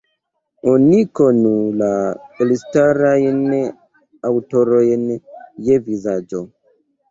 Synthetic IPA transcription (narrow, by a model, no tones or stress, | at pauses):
onikonulaelistaɾajn | awtoɾojnjevizad͡ʒo